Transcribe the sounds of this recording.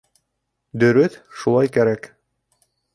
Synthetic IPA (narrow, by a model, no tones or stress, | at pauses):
d̪ɵ̆ɾɵθʃulˠɑjkæɾæk